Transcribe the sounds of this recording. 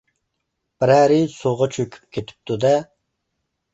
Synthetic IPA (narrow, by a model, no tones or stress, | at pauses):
b̥ɪɾæɾɪsoʁɑt͡ʃʰøkʲʰy̥p̚kʲʰet̪ʰɪ̥p̚t̪ʰud̪ɛ